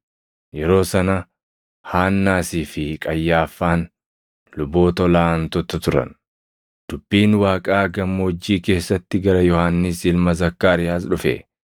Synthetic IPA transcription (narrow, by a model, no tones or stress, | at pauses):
jɛɾo̞ːsɐnɐ | haːnːaːsiːfɪkʼɐjːaːfːaːn | lʊbo̞ːt̪ɔlaːnt̪ɔt̪ːɐt̪ʊɾɐ̰n | d̪̥ʊbːiːnwaːkʼaːɡɐmːɔɔd͡ʒːiːke̞ːsːɐt̪ːɪɡɐɾɐjɔhanːɪsɪlmɐzɐkːaːɾɪjaːs̬ᶑʊfḛː